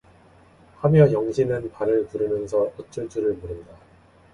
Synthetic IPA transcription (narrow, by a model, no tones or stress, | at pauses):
hamjʌjʌŋɕʰinɯnpanɯɭpuɾɯmjʌnsʰʌʌt͡ɕ͈ut͡ɕ͈uɾɯɭmuɾɯnda